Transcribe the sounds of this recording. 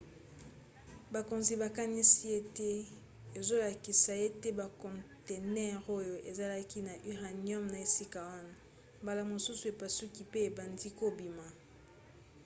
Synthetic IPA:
ba˨ko˨nzi˨ba˨ka˦ni˦si˦je˦te˦ | e˨zo˦la˨ki˨sa˨je˦te˦ba˨kɔ̃˨nte˨nɛ˦˨ʁo˦jo˨ʔe˨za˦la˦ki˦na˨ʔi˦ʁa˨njɔ˦mna˨e˨si˦ka˨wa˦na˨ | mba˨la˨mo˨su˦su˨e˨pa˨su˦ki˨pe˦e˨ba˨ndi˦ko˦bi˨ma˨

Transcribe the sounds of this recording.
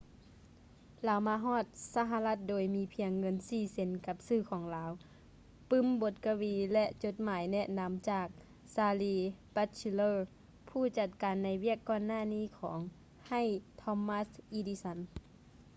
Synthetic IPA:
laː˨˦wmaː˧ɦɔː˧˥˩t̪̚sa˧ɦa˧la˧t̪̚doː˨jmiː˧˥pʰi˧əŋːɤ˧˥nsiː˧˩se˨˦nka˧˦p̚sɯː˧˩kʰɔː˩˦ŋlaː˨˦w | pɯ˧˥˨mbo˧˦t̪̚ka˧wiː˧lɛ˧ʔt͡ɕo˧˦t̪̚maː˨˦jnɛ˧ʔna˧˥mt͡ɕaː˧˩k̚ | saː˧liː˧pa˧t̪t͡ɕi˧lɤː˧ | pʰuː˧˥˩t͡ɕa˧t̪̚kaː˨nːa˧˥jwi˥˩əkːɔː˧˨nːaː˧˥˨niː˧˥˨kʰɔː˩˦ŋ | ha˧˥˨jt̪ʰɔ˧˥mːa˧˥sʔi˧diː˧sa˧˦n

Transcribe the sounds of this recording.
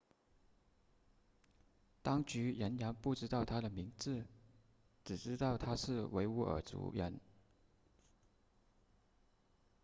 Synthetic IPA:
t̪ɑ˥ŋt͡ɕy˧˥ɻə˧˥nɻa˧˥npu˥˩ʈ͡ʂɻ̩˥t̪ɑ˥˩ʊt̪ʰa˥d̪ə˨mi˧˥ŋd͡zɹ̩˥˩ | ʈ͡ʂɻ̩˨˩ʈ͡ʂɻ̩˥t̪ɑ˥˩ʊt̪ʰa˥ʂɻ̩˥˩we˧˥ɪṵ˧˥ʔə̰˨˩t͡sṵ˧˥ɻə̰˧˥n

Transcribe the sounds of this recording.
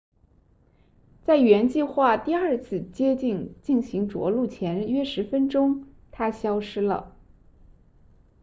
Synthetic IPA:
t͡sa˥˩ɪɥɛ˧˥nt͡ɕi˥˧xwa˥˧t̪i˥˧a˞˥˧t͡sʰɹ̩˥˩t͡ɕjɛ˥t͡ɕi˥˩ŋt͡ɕi˥˩nɕi˧˥ŋʈ͡ʂwɔ̰˧˥lu˥˩t͡ɕʰjɛ˧˥nɥɛ˥ʂɻ̩˧˥fə˥nʈ͡ʂʊ˥ŋ | t̪ʰa˥ɕjɑ˥ʊʂɻ̩˥lə̰˨

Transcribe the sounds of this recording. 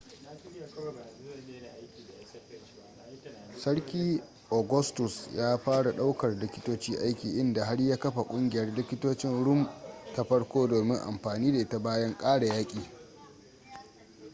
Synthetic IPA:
kʲː | sɐ˦ɽkʲiː˦ | ʔoː˨ɡʊ˦stʊ˨sjaː˦ɸaː˦ɽa˨ɗa˦wkɐ˨rlɪ˦kʲɪ˦toː˦t͡ʃiː˦ʔa˦jkʲiː˨ʔɪ˦nda˨ɦa˦ɽjaː˦kɐ˦ɸa˨kʷʼʊ˦ŋɡʲɪ˨jɐ˦rlɪ˦kʲɪ˦toː˦t͡ʃɪ˦nɽʊ˦mta˦ɸɐ˦ɽkʷoː˦doː˨mɪ˦ŋʔa̰˨mɸaː˨niː˦da˨ʔɪ˦ta˨baː˦jɐ˦ŋkʼaː˦ɽa˨jaː˦kʲʼiː˨

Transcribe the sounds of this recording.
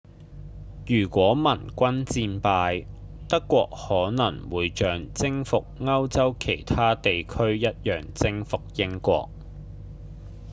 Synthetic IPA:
jyː˨˩kʷɔː˨˥mɐ˨˩nkʷɐ˥nt͡siː˧npaː˧j | t̪ɐ˥kːʷɔː˧k̚hɔː˨˥nɐ˨˩ŋwuː˨jt͡ʃœː˨ŋt͡sɪ˥ŋfʊ˨k̚ŋɐ˥wt͡sɐ˥wkʰe˨˩jt̪ʰaː˥t̪e˨jkʰɵ˥ɥjɐ˥t̚jœː˨˩ŋt͡sɪ˥ŋfʊ˨k̚jɪ˥ŋkʷɔ̰ː˧k̚

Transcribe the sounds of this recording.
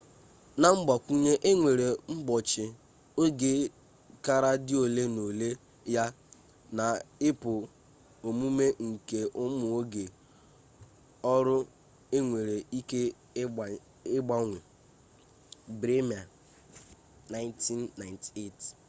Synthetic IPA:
na˦m̩˦ɡ͡bɔ˨kʷu˦ɲe˦ʔe˦ŋʷe˨ɾe˨m̩˦bɔ˨t͡ʃɪ˨ | o˦ɡe˦ | ka˦ɾa˦dɪ˦o˨le˦no˨le˦ | ja˦ | na˨ɪ˦pʊ˨ | o˨mu˦me˦ŋ̩˨ke˨ʔʊ˦mʊ˨o˦ɡe˨ | ɔ˦ɾʊ˦ | e˦ŋʷe˨ɾe˨i˦ke˦˨ | ɪ˦ɡ͡ba˦ŋʷe˨ | bɾe˦mi˨a˨ | na˨˦ɪ˦nti˦nːa˨ɪ˨nte˦˨t

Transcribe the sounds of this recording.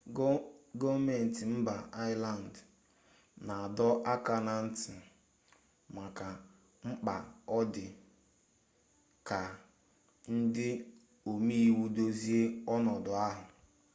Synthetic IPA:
ɡɔ˦vme˨n̩˨tɪ˨m̩˦ba˨ʔa˦ɪ˦la˨n̩˨d | na˨a˨dɔ˦ʔa˦ka˨na˨n̩˦tɪ˨ | ma˨ka˨ | ŋ͡m̩˦k͡pa̰˨ɔ˦dɪ˨ | ka˨ | n̩˦dɪ˦ | o˨mi˦i˦wu˦do˦zi˦e˦ɔ˦nɔ˨dɔ˨a˦ɦʊ˨

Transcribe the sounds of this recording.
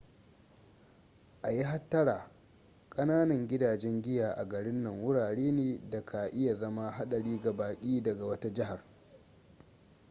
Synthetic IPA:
ʔa˨jɪ˦ɦa˦tːɐ˦ɾaː˨ | kʼɐ˦naː˦nɐ˨ŋɡʲɪ˦daː˨d͡ʒɛ˦ŋɡʲɪ˦jaː˨ʔa˨ɡɐ˨ɽɪ˦nːɐ˨ŋwʊ˦ɽaː˨ɽeː˦neː˨da˨kʰa˨ʔɪ˦ja˨zɐ˦ma˦ɦa˦ɗɐ˨ɽiː˦ɡa˨baː˨kʲʼiː˦dɐ˨ɡa˨wɐ˦ta˦d͡ʒɪ˦ɦa˨r

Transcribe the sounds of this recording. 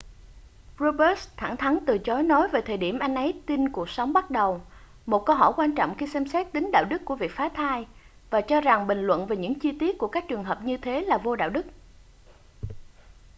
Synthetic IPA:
zo˧ɓə˦˥st̪ʰa̰˧˩ŋt̪ʰa˨˦ŋt̪ɨ˨˩t͡ɕɔ˨˦jnɔ˨˦jve˨˩t̪ʰəː˨˩jɗi˧˩əmʔa˧jŋ̟ʔə˨˦jt̪i˧nku˨˩ək̚sə˨˦wŋ͡mɓa˦˥t̚ɗə˨˩w | mo˨˩t̚kə˧wɦɔ̰˧˩jkwaː˧nt͡ɕɔ̰˧˨wŋ͡mxi˧sɛ˧msɛ˦˥t̚t̪ï˨˦ŋ̟ɗa̰ː˧˨wɗɨ˦˥k̚ku˧˩əvi˨˩ək̚faː˨˦t̪ʰaː˧j | vaː˨˩t͡ɕɔ˧za˨˩ŋɓï˨˩ŋ̟lwə̰˧˨nve˨˩ɲɨ̰˧˥ŋt͡ɕi˧t̪i˦˥ət̚ku˧˩əkaː˦˥k̚t͡ɕɨ˨˩əŋɦəː˨˩p̚ɲɨ˧t̪ʰe˨˦laː˨˩vo˧ɗa̰ː˧˨wɗɨ˦˥k̚

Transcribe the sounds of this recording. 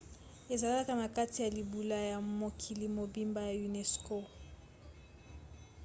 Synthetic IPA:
e˨za˨la˦la˦ka˦na˨ka˦ti˨ja˨li˨bu˨la˨˦ja˨mo˨kʰi˨li˨mo˨bi˦mba˦ja˨u˨nɛ˨sko˦

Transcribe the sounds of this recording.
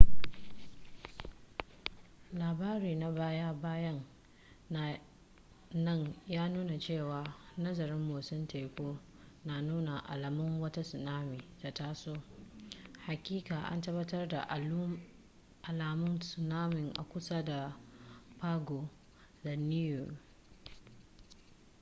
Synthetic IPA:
laː˨baː˦ɾiː˨na˨baː˦ja˦baː˦jɐ˦ŋ | nɐ˦˨ŋjaː˦nuː˦na˨t͡ʃeː˦˨waː˨nɐ˦zɐ˨ɾɪ˦mːu˨sʊ˦ntʰa˨jkʷoː˦ | naː˨nuː˦na˨ʔa̰˨la˨mʊ˦ŋwɐ˦ta˦sʊ˨naː˦miː˨ta˨ta˦soː˦˨ | ha˨kʲiː˦kaː˨ʔa̰˦ntɐ˦bɐ˦tɐ˦rda̰˨ʔ | ʔa˨laː˨mʊ˦nsʊ˨naː˦mɪ˨ŋʔa̰˨kʷʊ˦sa˦da˨ | paː˦ɡoː˨ | da˨ni˦ju˨

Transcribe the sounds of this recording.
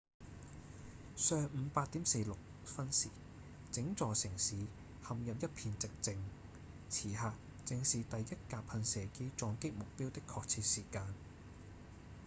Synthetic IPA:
sœː˨˧ŋm̩˨˧paː˧t̚t̪iː˨˥mse˧jlʊ˨k̚ | fɐ˥nsiː˨˩ | t͡sɪ˨˥ŋt͡sɔː˨sɪ˨˩ŋsiː˨˥ | hɐ˨mjɐ˨p̬̚jɐ˥t̚pʰiː˧nt͡sɪ˨k̚t͡sɪ˧ŋ | t͡sʰiː˨˩ɦaː˨k̚ | t͡sɪ˨˧ŋsiː˨t̪ɐ˨jjɐ˥t̚kaː˨˧pʰɐ˧nsɛː˨˩ke˨˥t͡sɔː˨˧ŋkɪ˥k̚mʊ˨k̚piː˥wt̪ɪ˥kʰːɔː˧k̚t͡sʰiː˧t̚siː˨˩kaː˧n

